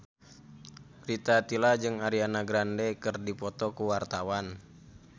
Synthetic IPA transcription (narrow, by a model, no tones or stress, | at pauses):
rit̪at̪ilad͡ʒɨŋaɾianaɡɾandɛkɨrdipɔt̪ɔkuwart̪awan